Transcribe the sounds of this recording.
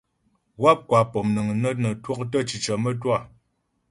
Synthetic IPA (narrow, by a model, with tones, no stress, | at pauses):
wa˦p̚kwa˨pɔ˨mnə˨ŋ˨nə˦nə˨twɔ˦k̚tə˦t͡ʃi˨t͡ʃə˨mə˦t̬wa˦˨